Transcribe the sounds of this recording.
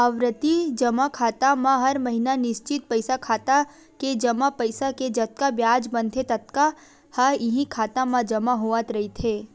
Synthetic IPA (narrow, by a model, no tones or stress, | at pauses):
əʋɾət̪id͡ʒəmakʰaːt̪amãɦəɾməɦinanɪʃt͡ʃɪt̪̚pəjsakʰat̪a | ked͡ʒəmapəjsaked͡ʒət̪̚kabjad͡ʒbənt̪ʰet̪ət̪̚ka | həɾɪɦĩkʰat̪ãmãd͡ʒəmaɦoʋat̪ɾəɦit̪ʰe